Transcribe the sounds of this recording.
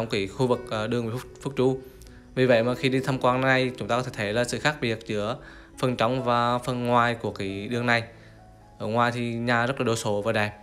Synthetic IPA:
ɔ˨˦wŋ͡mki˨˧˩xu˧vɨ˨˩k̚ʔɗɨ˧əŋvfʊ˦˥fu˦˥k̚t͡ɕu˧˦ | vi˨˩və̰˧˨jmaː˨˩xi˧ɗi˧t̪ʰa˧mkwaː˧nna˨˧jt͡ɕʊ˨˦˥ŋ͡mt̪aː˧kɔ˧˦t̪ʰe˧˩t̪ʰe˧˩laː˨˩sɨ̰˧˨xaː˦˥k̚ɓi˨˩ət̚zɨ˨˧˥ə | fə˧˩nt͡ɕɔ˨˦wŋ͡mvaː˨˩fə˧nŋwaː˨˩jku˧˩əki˧˨˩ɗɨ˧əŋna˨˩j | ʔəː˧˩ŋwaː˨˩jt̪ʰi˨˩ɲaː˨˩zt̚laː˨ɗo˧˩so˨˦vaː˨˩ɗaː˨˩j

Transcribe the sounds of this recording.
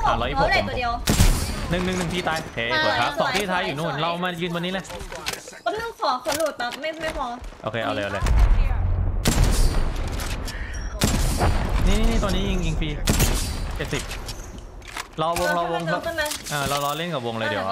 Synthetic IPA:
a˨˩lɔː˧ʔiː˦˥˩pʰːdi˧ə˧w | nɯ˨˩ŋnɯ˨˩ŋnɯ˨˩ŋt̪ʰiː˧t̪aː˧jʔo˧kʰeː˧pu˨˩˦t̚kʰa˦˥p̚sɔ˨˩˨kt̪iː˥˩t̪ʰaː˧jːuː˨˩nu˥˩nɾa˧wmaː˧jɯː˧nwa˧nːiː˦˥le˧˩˧ | lɯ˥˩ŋpʰɔː˨˩˦kʰo˧˩˦lu˨˩t̪̚a˧˥ma˥˩ma˥˩jpʰɔː˧ʔo̰ː˧kʰeː˧ʔa̰˧wlːɤ˧ʔa˧˩ləː˧j | niː˦˥˩niː˦˥niː˦˥˩t̪ɔ˧nːiː˦˥ji˧ŋi˧ŋfiː˧ | t͡ɕe˨˩t̪̚si˨˩p̚ | ɾa˧wwo˧ŋɾa˧wo˧ŋʰa˦˥˩ma˦˥ʔɤː˧ɾa˧wlɔː˧le˥˩nka˨˩wo˧ŋlɤː˧dḭ˨˦˧a˧

